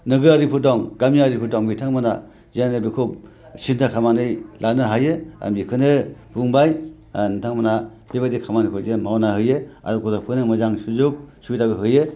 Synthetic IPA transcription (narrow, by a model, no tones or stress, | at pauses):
nɯɡɯaɾipʰɯɾdɔŋɡamiaɾipʰuɾdɔŋbitʰaŋmana̰ | zenɯbikʰub | sintʰakʰamanɯjlʔanɯɦajɯa̰mbikʰɯnɯb̥uŋbaj | nɯtʰaŋmana | biβadikʰamanikʰɔzenmawnahɯjɯa̰ɾɯkʰɔdapʰɯnɯmɯzaŋsuzuk̚subitabɯɦɯjɯ